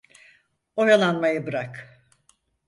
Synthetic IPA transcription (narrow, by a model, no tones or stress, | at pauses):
ojalˠanmajɯbɯɾak